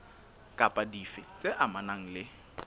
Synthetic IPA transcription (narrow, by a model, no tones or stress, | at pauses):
kʼapʼadifɪt͡sʼeʔamanaŋ̩lɪ